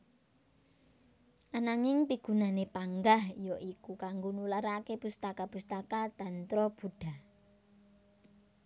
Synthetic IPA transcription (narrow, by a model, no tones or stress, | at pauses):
ʔanaŋɪŋpiɡ̥ṳnanepaŋɡahijɔʔikukaŋɡonulaɾakepust̪akapust̪akat̪ant̪ɾɔb̥ṳɖ̥a̤